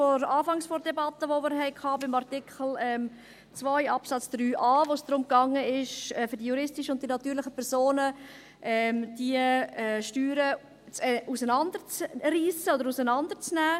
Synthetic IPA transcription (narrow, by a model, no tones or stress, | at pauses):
fɔɾɑːfɑŋsfɔɾdɛbɑtəʋomɪɾɦɛɪkʰɑːbɪmɑɾtɪkχl̩ɛm | t͡svaɪɑpsɑt͡sd̥ɾyːʔɑːʋosd̥ɾʊmkɑŋəɪʃɛfʏɾdiəjuɾɪstɪʃəʊntd̥inɑt̪yːɾlɪχəpʰɛɾzoːnə | ʔɛmd̥iəɛːʃtyːɾə | t͡sɛusənɑnd̪əɾt͡sɾiːsəodəɾusənɑnd̪ət͡snæː